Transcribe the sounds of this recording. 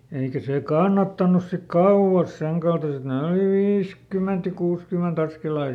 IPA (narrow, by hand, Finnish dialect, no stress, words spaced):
eikæ seˑ kɑnːɑtːɑnus sik kɑuw̆ɑs seŋkɑltɑset ne oli ʋiːskyment jɑ kuːskyment ɑskelɑː jɑ